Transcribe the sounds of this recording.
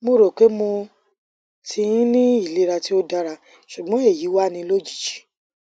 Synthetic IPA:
mo˦˨ɾo˨k͡pe˨˦mõ˧ | tʰĩ˧˦nĩ˦i˦˨le˨˦ɾa˧ti˦o˦da˦ɾa˧ | ʃu˨ɡ͡bɔ̃˨˦e˦˨ji˨˦wa˦˨nĩ˧lo˦d͡ʒi̥˦˨d͡ʒi̥˨˦

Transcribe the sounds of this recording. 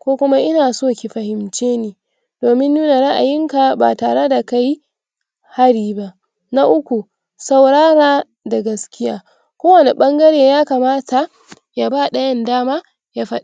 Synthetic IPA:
kʷoː˦kʷʊ˦ma˦ʔɪ˦naː˨soː˦˨kʲi˨ɸɐ˨hɪ˨mt͡ʃeː˦niː˦ | d̥oː˨mɪ˦nːuː˦na˨ɽɐ˦ʔa̰˨jɪ˦ŋka˨ba̰ː˨taː˨ɽe˦da˨ka˦j | ha˦ɽiː˦ba˦ʔ | na˦ʔʊ˦kʷu˨ | sa˨wɽaː˦ɾaː˦ | da˨ɡɐ˨skʲɪ˦ja̰ː˦ | kʷoː˦wɐ˨ne˨ɓɐ˦ŋɡɐ˦ɽeː˨jaː˦kaː˨maː˦tʰa˨ | jaː˦baː˦˨ɗɐ˨jɐ˦ndaː˦maː˦ | ja˦ɸɐ˦ɗa˨

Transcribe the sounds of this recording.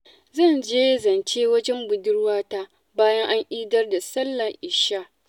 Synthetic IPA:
zɐ˦˨nd͡ʒeː˦zɐ˨nt͡ʃeː˦wɐ˦d͡ʒɛ˦mbʊ˨dɪ˦rwaː˦taː˦ | baː˦jɐ˦ŋʔa˦ŋʔiː˦dɐ˦rda˨sɐ˦lːɐ˨ʔɪ˨ʃa˦

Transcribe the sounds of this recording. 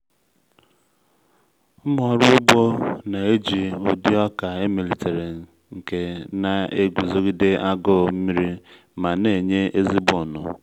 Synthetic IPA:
mɔ˨ɾʊ˦ʊ˦ɡ͡bo˦na˨e˦d͡ʒi˨ʊ˨di˦ɔ˦ka˨e˦mi˨li˨te˨ɾe˨n | ŋ̩˨ke˦na˨e˦ɡʷi˨zo˦ɡi˦de˦a˦ɡɔ˦˨m̩˦mi˦ɾi˦ | ma˨ne˨ɲe˦ʔe˦zi˦bʊ˨nʊ̰˨

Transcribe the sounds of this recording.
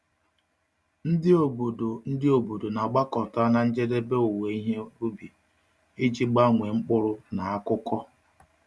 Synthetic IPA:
n̩˦dɪ˦o˨bdo˨n̩˦dɪ˦o˨bu˨do˨na˨ɡ͡ba˦kɔ˨ta˦na˨n̩˦d͡ʒe˦de˦be˦u˨we˨i˦ɦe˦ɾu˦bi˨ | e˦d͡ʒi˦ɡ͡ba˦ŋʷe˨ŋ͡m̩˦k͡pʊ˦ɾʊ˦na˨a˦kʊ˦kɔ˦

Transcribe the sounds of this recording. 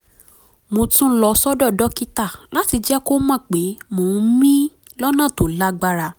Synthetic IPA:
mo˧tũ˦lɔ˧sɔ˦dɔ˦˨dɔ˦ki˦ta˦˨la˨˦ti˧d͡ʒɛ˦ko˦mã˦˨k͡pe˨˦mõ˨˧mĩ˦ | lɔ˦nã˦˨to˨la˦ɡ͡ba˧ɾa˧

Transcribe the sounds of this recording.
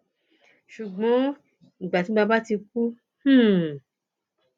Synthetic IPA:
ʃu˨ɡ͡bɔ̃˨˦ | ŋ̩˨ɡ͡ba˨ti˨˦ɡ͡ba˧ba˦ti˧k̚u˦ | h̩˦˨

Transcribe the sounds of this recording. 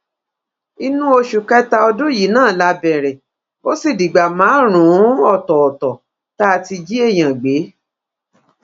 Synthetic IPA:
i˧nũ˦o˧ʃu˨kɛ˦ta˧ɔ˧dũ˦ji˨˦nãː˦˨la˧˦bɛ˨ɾɛ˨ | o˦si˦˨di˨ɡ͡ba˨mãː˨˦ɾ̃ũ˨˦ɔ˦˨tɔ˨ɔ˨tɔ˨ | ta˦˧ti˧d͡ʒi˦e˦˨j̃ã˨ɡ͡be˨˦

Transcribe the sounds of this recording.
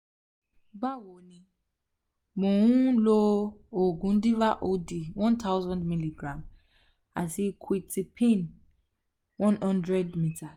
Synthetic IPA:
ba˦˨wo˨nĩ˧ | mõ˨wũ˦lo˦o˨ɡũ˨˦n̩˦di˦va˦ʔo˦di˨wɔ̃˦ntʰa˦wzɔ̃˦ndmi˦li˨ɡɾã˨m | a˨ti˧kʰwi˦ti˨pʰẽ˦˨n | wɔ̃˦nhɔ̃˦ndɾɛ˦dmi˦tʰa˨

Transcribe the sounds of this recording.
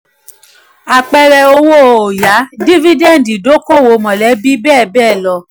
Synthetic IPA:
a˨k͡pɛ˧ɾɛ˧o˧wo˦˧o˨ja˨˦di˦vi˦dɛ˦˨n˨di˨do˨˦ko˦˨wo˨˦mɔ̃˨lɛ˨˦bi˦bɛː˦˨bɛː˦˨lɔ˧

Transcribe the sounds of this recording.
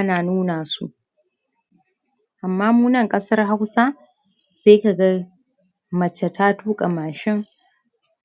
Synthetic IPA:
jɐ˦naː˨nuː˦naː˨sṵ˦ʔ | ʔa˨mːaː˦muː˦nɐ˦˨ŋkʼɐ˦sɐ˦rɦa˦wsaː˦ | seː˦ka˨ɡɐ˦ | mɐ˨t͡ʃːɛ˨tʰaː˦tuː˦kʼɐ˨maː˨ʃɪ˦ŋ

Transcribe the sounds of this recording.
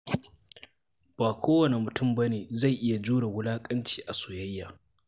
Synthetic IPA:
b̥aː˨kʷʰoː˦wɐ˨ne˨mʊ˨tʊ˦˨mbɐ˦neː˨za˦˨jʔɪ˦ja˨d͡ʒuː˦ɽa˨wʊ˦laː˦kʼɐ˦nt͡ʃi̥ː˨ʔa˨sʊ˨jɐ˦jːaː˨

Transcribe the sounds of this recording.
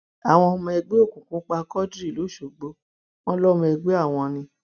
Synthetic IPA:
a˨w̃ɔ̃˧mɔ̃˧ɛ˧ɡ͡be˦o˦˨kũ˨kũ˨˦k͡pa˧kɔ˦dɾi˦˨lo˨˦˨ʃo˨ɡ͡bo˨˦ | w̃ɔ̃˧lɔ˦m̃˧ɛ˧ɡ͡be˦a˦˨w̃ɔ̃˧nĩ˧

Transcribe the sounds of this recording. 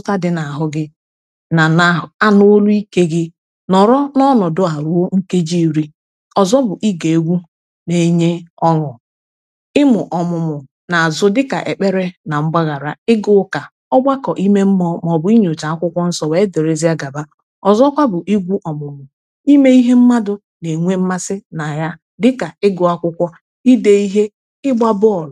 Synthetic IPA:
ʊ˦ta˦dɪ˨na˨a˨ɦʊ˦ɡɪ˦ | na˨a˦no˦lu˦i˦ke˦ɡɪ˦ | nɔ˨ɾɔ˦nɔ˦nɔ˨dʊ˦a˨ɾu˦o˦ŋ̩˦ke˦d͡ʒi˦i˨ɾi˦ | ɔ˨zɔ˦bʊ˨ʔi˦ɡe˨e˦ɡʷu˦ | ne˨˦ɲe˦ɔ˦ŋɔ˨ | ɪ˦mʊ˨ʔɔ˨mʊ˨mʊ˨ | na˨a˨zʊ˦dɪ˦ka˨ʔe˨k͡pe˦ɾe˦na˨ŋ͡m̩˦ɡ͡ba˦ɣa˨ɾa˨ɪ˦ɡʊ˦ʊ˦ka˨ | ɔ˦ɡ͡ba˦kɔ˨ʔi˦me˦m̩˦mɔ˦mɔ˨bʊ˨˦i˦ɲo˨t͡ʃa˨a˦kʷʊ˦kʷɔ˦n̩˦sɔ˦we˨˦e˦de˨ɾe˦zi˦a˦ɡa˨ba˦ | ɔ˨zɔ˦kʷa˦bʊ˨ʔi˦ɡʷu˦ʔɔ˨mʊ˨mʊ˨ | i˦me˦i˦ɦe˦m̩˦ma˦dʊ˨ | ne˨ŋʷe˦m̩˦ma˦sɪ˦na˨ja˦ | dɪ˦ka˨ɪ˦ɡʊ˨˦a˦kʷʊ˦kʷɔ˦ | i˦de˦i˦ɦe˦ | ɪ˦ɡ͡ba˦bʊ˦ɔ˨l

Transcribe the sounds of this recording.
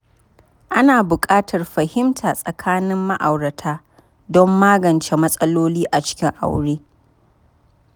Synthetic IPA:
ʔa˦naː˨bʊ˨kʼaː˦tʰɐ˨rɸɐ˨hɪ˦mtʰaː˨sʼɐ˨kʰaː˦nɪ˦mːɐ˦ʔa˨wɾɐ˨tʰaː˦ | dɔ˦mːaː˦ɡɐ˨nt͡ʃe˦mɐ˦sʼɐ˦loː˦liː˦ʔa˨t͡ʃɪ̥˦kʲɪ˦ŋʔa̰˨wɽeː˦

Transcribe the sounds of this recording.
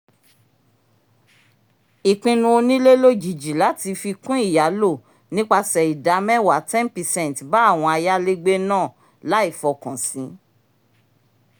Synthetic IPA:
i˨k͡pĩ˧nũ˧o˧nĩ˦le˦lo˦d͡ʒi˨d͡ʒi˨la˨˦ti˧fi˧kũ˦i˦˨ja˨˦lo˦˨ | nĩ˦k͡pa˧sɛ˨i˨da˨˦mɛ̃˦wa˨˦tɛ̃˦npɛ˨sɛ̃˦˨n˨tba˨˦a˦˨w̃ɔ̃˧a˧ja˦le˦ɡ͡be˦nãː˦˨ | la˨˦i˦˨fɔ˧kã˨sĩ˨˦

